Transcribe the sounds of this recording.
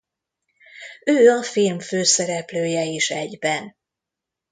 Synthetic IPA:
øːɒfilmføːsɛɾɛpløːjɛiʃɛɟbɛn

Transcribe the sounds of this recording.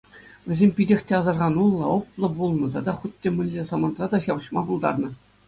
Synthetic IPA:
ʋʲɘ̆zʲemʲpʲidʲexʲtʲeɑzɑrʁɑnulˠːɤ̆oplˠɤ̆bulˠnɤ̆t̪ɑd̪ɑχut̪ʲːemʲɘ̆nʲːesɑmɑnt̪rɑd̪ɑɕɑʋɤ̆ɕmɑbulˠd̪ɑ̰rnɤ̆

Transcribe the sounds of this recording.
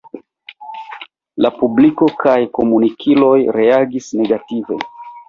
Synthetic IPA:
lapubliko̞kajko̞munikʰilo̞jɾe̞aɡisne̞ɡative̞̰

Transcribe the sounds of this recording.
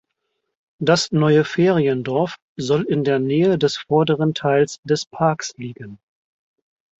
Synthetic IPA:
d̥asnɔʏəfeːʁiəndɔɐf | zɔlɪndeːɐnɛːədɛsfɔɐdəʁəntʰaɪlsd̥ɛspʰaɐksliːɡən

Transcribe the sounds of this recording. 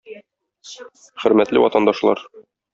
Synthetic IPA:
χɵ̆ɾmæt̪lɘwɒt̪ɑnd̪ɑʃlˠɑ̰ɾ

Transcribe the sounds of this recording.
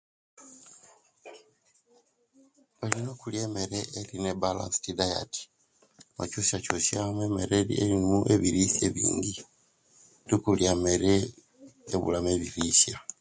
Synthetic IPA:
βalinokuljeːmeɾeelinebala̰nsi̥tidaja̰ti̥ | mo̰cusacusjamwemeɾelḭḛɾimuʔeβiɾisjeβḭːŋɡi | dikuljame̞ɾeː | βṵlame̞βiɾisja

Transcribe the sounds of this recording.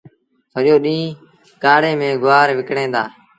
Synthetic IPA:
səɾjoːɗĩː | kaːɽẽːmẽːɡʊaːɾʋɪkɳẽːd̪a̰ː

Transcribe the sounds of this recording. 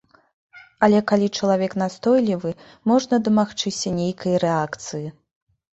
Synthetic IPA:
ɐlʲɛkalʲit͡ʂɐlˠavʲɛkn̪ast̪ɔjlʲivɨ | mɔʐnɐd̪ɐmaxt͡ʂɨsʲɐnʲejkʰɐjɐɾɛakt̪sɨji

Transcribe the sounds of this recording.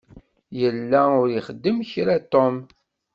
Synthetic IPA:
jəlːæʊɾjəχəd̪ːəmçɾat̪om

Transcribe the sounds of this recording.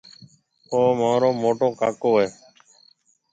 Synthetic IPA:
oːmãːɾoːmoːʈõːkaːkoːɦeː

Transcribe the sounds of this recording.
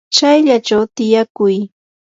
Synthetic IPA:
t͡ʃajʎat͡ʃawt̪ɪjakʊj

